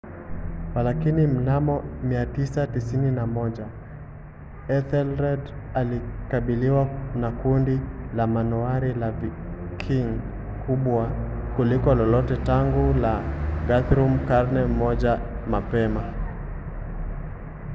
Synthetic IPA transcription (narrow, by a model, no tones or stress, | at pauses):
walakinim̩namɔmiatisatisininamɔʄa | ɛθɛlɾɛd | alikaɓiliwanakundilamanuaɾilavi | kʰiŋ | kʰuɓwakulikɔlɔlɔtɛtaŋɡulaɡaθɾumkaɾnɛmɔʄamapɛma